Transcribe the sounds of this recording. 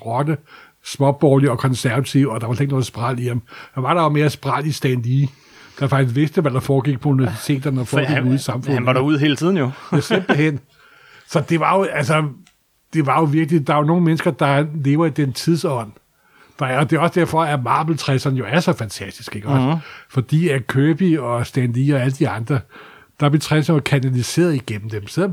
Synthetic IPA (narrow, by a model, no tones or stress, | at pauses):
ʁɒ̽d̥ə | smɒ̽b̥ɒːliɒ̽kʰɒ̽nsæɐʋæt͡sʰiʊɒ̽d̥ɑ̈ʋɑsleɡ̥no̽ð̩ˠsb̥ʁɑl̰iemhɑʋɑ̈ɾ̥ɑ̈jome̝ːɐsb̥ʁɑl̰isd̥ænliː | d̥ɑfɑɡ̥is̬ʋe̝sd̥əʋæd̥ɑ̈fɒːɡ̥iɡ̥̚pʰɒ̽uniʋæsi̥t͡sʰe̝̰ːd̥ɐnəɒfɒ̰̽ɡɡ̥iɡuðˠisɑ̈mfɔ̽n̰naɾuð̰ˠhe̝ːlət͡sʰið̰ˠn̩josemb̥l̩hen̰ | sɒ̽d̥e̝ʋɑ̈jo̝ælsə | d̥e̝ʋɑ̈jo̝ʋiɐɡ̥lid̥ɑ̈ono̝ːŋ̩menəsɡ̥ɐd̥ɑ̈le̝ːʊɐid̥ent͡sʰið̞ˠsɒ̽n̰ | d̥ɑ̈ːd̥e̝ɒ̽səd̥æɐfɒ̽æmɑ̈ːb̥l̩t͡sʰʁɛsɐnəjo̝æɐsɒ̽fænt͡sʰæsd̥isɡ̥e̝ɡ̥ɒ̽sfɒ̽d̥ḭːækʰøːb̥iɒ̽sd̥ændiɒ̽æləd̥iɑ̈nd̥ʁɐ | d̥ɑb̥le̝t͡sʰʁɛs̬ɐnjokʰænælise̝̰ːɐðˠiɡ̥en̰m̩d̥emselɒm